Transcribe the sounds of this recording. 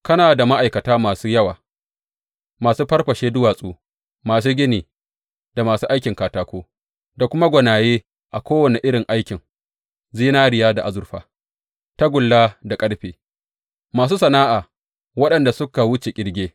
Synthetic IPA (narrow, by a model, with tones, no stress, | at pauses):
kɐ˦naː˨da˨ma˦ʔa˨jkɐ˨taː˦maː˨suː˦jɐ˦wa̰ː˨ | maː˨suː˦ɸɐ˦ɽɸɐ˨ʃeː˦dʊ˦waː˨sʼuː˦ | maː˨s̬uː˦ɡʲɪ˦niː˨ | da˨maː˨suː˦ʔa˦jkʲɪ˨ŋkaː˨taː˨kʷoː˦ | da˨kʷʊ˦ma˦ɡʷɐ˨naː˨jeː˦ | ʔa˨kʷoː˦wɐ˨ne˨ʔɪ˦ɽɪ˨ŋʔa˦jkʲɪ˨ŋ | ziː˦naː˦ɽɪ˨jaː˦da˨ʔa˨zʊ˨ɾɸa̰ː˨ | ta˦ɡʷʊ˨lːaː˦da˨kʼɐ˦ɽɸeː˨ | maː˨s̬uː˦sɐ˨naː˦ʔaː˨ | wɐ˦ɗɐ˨nda˨sʊ˦ka˨wʊ˦t͡ʃe˨kʲʼɪ˨ɽɡʲeː˦